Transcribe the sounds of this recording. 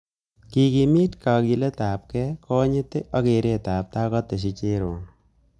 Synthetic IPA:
ki˨ki˨mi˦tka˨ki˧le˦ta˨p̚kɛ˦kʰɔ˦ɲɪ˦te˦ʔa˦ke˨ɾe˦ta˨p̚ta˦kɔ˦te˨ʃ̬i˧t͡ʃe˦ɾo˨n

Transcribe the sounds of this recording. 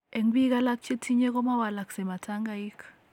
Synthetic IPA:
e˨ŋɡwi˦ka˦la˦k̚t͡ʃe˦tʰi˦ɲe˦kɔ˦ma˦wa˨la˨kse˨ma˨tʰa˦ŋɡa˦i˦k

